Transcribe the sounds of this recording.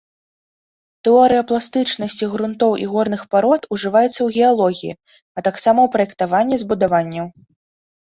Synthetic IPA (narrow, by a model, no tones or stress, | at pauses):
t̪ɛɔɾɨjɐplˠast̪ɨt͡ʂnɐsʲt͡sʲiɣɾunt̪ɔwʔḭɣɔrnɨxpaɾɔt̪uʐɨvajɛt̪sːɐwɣʲɛalˠɔɣʲijḭ | ɐt̪aksamɐwpɾɐjɛkt̪avanʲːɛzbud̪avanʲːɐw